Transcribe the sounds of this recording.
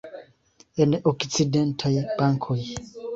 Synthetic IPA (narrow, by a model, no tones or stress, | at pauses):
enʔokt͡sidentʰajbaŋkʰoj